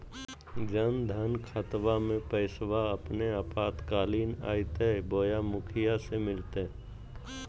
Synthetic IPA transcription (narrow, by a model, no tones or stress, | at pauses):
d͡ʒənd̪ʱənkʰət̪ʋamẽpəɪswaəpneapaːt̪kaːliːna̰ːit̪eboːjamʊkʰɪjasemɪlt̪e